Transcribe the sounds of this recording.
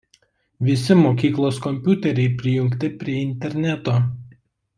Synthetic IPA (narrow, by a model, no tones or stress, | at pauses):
ʋʲɪsʲɪmoːkʲiːklˠoːskɔmʲpʲuːt̪ʲɛɾʲɛɪpʲɾʲɪjʊŋʲkt̪ʲɪpʲɾʲiɛɪnʲt̪ʲɛɾʲnʲæt̪oː